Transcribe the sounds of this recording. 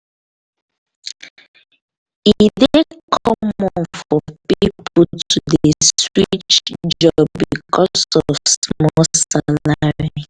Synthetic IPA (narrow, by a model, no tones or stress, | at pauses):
idekʰɔmɔnfɔpipʰʊtʰudeswit͡ʃt͡ʃd͡ʒd͡ʒɔbikɔsɔsmɔsalaɹi